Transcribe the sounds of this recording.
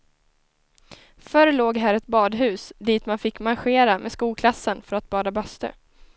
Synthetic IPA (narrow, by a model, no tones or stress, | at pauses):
fœɾloːɡɦæɾɛt̪̚bɑːd̪ɦʉ̟ːsd̪iːt̪manfɪkːmanɧeːɾamʔeːskuːlkʰlasːənfœɾat̪̚bɑːd̪abœst̪ə̰